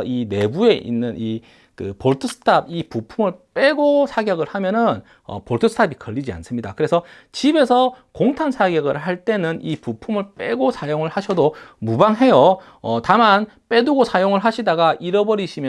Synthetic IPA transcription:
ine̞bue̞ʔḭnːɯnʔi | kɯ̰poɭtʰɯsʰɯ̥tʰabipupʰumɯɭp͈eɡosʰaɡjʌɡɯɭhamjʌnɯn | ʌ̰poɭtʰɯsʰɯ̥tʰabikʌʎːid͡ʑia̰ns͈ɯmɲida̰kɯɾe̞sʰʌ | t͡ɕibe̞sʰʌkoŋtʰansʰaɡjʌɡɯɭɦaɭt͈e̞nɯnipupʰumɯɭp͈eɡosʰajoŋɯɭhaɕʰʌdomubaŋɦe̞jo | ʌtaman | p͈e̞duɡosʰajoŋɯɭɦaɕʰidaɡaʔiɾʌbʌɾiɕʰimjʌ

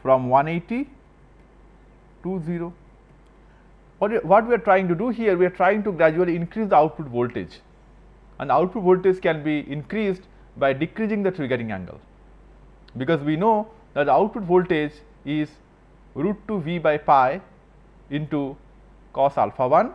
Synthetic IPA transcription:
fɾɔ̃mʋʌ̃neːʈi | ʈuːziːɾoː | ʋɔʋɔʈʋiaɾʈɾaɪɪ̃ŋʈuɖuɦiəɾʋiaɾʈɾaɪɪ̃ŋʈuɡɾæd͡ʒuəliɪ̃nkɾiːsd̪əaʊʈ̚pʊʈʋoːlʈḛd͡ʒ | æ̰̃nd̪aʊʈ̚pʊʈʋoːlʈed͡ʒkɛ̃nbiʔɪ̃nkɾiːsɖ | baɪɖɪkɾid͡ʒĩŋd̪ət̪ɾɪɡəɾɪ̃ŋæ̰̃ŋɡə̰l | bɪkɔːzʋinoː | d̪æʈ̚d̪əaʊʈ̚pʊʈʋoːlʈed͡ʒ | ɪz | ɾuːʈʈuʋiːbaɪpaɪ | ɪ̃nʈu | kɔːsa̰lfaʋʌ̃n

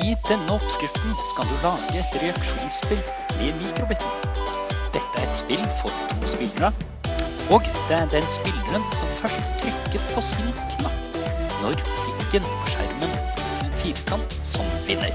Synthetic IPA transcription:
ɪd̪ɛnːəɔpskɾɪft̪n̩skɑld̪ʉlɑːɡəɛt̪ɾɛɑkʂuːnspɪl | ɪmiːk̪ɾʊbɪt̪n̩ | d̪̥ɛt̪ːəæɾɛt̪spɪlːfɔɾt̪ʰuːspɪlɑ | oːɡd̪̥ɛæɖɛnspɪlːʉənsɔmfœʂʈt̪ʰɾʏkːəɾpʰɔsɪlkʰnɑ | nɔɾpʰɪɡɡənɔʂæ̰ɾmən | fiːɾkʰɑnt̪ | sɔmʋɪnːə̰ɾ

